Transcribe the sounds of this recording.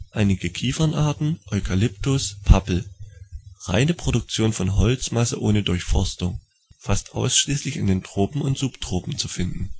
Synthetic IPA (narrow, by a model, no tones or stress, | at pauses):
ʔaɪnɪɡəkʰiːfɐnʔaɐtn̩ʔɔʏkʰalɪptʊspʰapl̩ | ʁa̰ɪnəpʁ̥odʊk̚t͡sjoːnfɔnɦɔlt͡smasəʔoːnədʊɐçfɔ̰ɐstʊŋ | fastʔa̰ʊsʃliːslɪçɪndeːntʁ̥oːpm̩ʊntz̥uːptʁ̥oːpm̩t͡sufɪndn̩